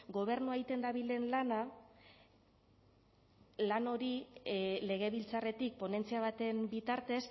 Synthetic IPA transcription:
ɡo̞β̞e̞ɾnuait̪e̞nd̪aβile̞nlana | lano̞ɾile̞ɣ̞e̞βilt͡sare̞t̪ik̚po̞ne̞nt͡siaβat̪e̞mbit̪aɾt̪es

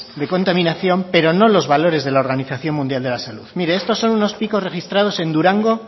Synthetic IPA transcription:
d̪e̞ko̞nt̪amĩnaθjo̞mpe̞ɾo̞no̞lo̞zβalo̞ɾe̞zð̞e̞laoɾɣaniθaθjo̞nmũnd̪jald̪e̞lasaluðmiɾeest̪o̞sːo̞nuno̞spiko̞zre̞xist̪ɾað̞o̞se̞nd̪uɾaŋɡo̞

